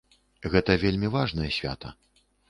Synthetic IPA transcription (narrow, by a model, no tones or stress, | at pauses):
ɣɛt̪ɐvʲelʲmʲivaʐnɐjɛsʲvʲa̰t̪ɐ̰